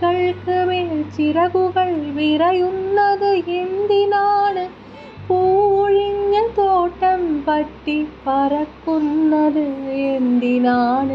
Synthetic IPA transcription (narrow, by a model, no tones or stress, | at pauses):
kɐɭkɯmeːlt͡ʃɪɾɐɣɯɣɐɭʋɪɾɐjɯnːɐðɯɛnd̪ɪnaːnɯ | puːʋʊɻɪɲːɐt̪oːʈːɐmpɐʈːipɐɾɐkːɯnːɐðɯɛnd̪ɪnaːnɯ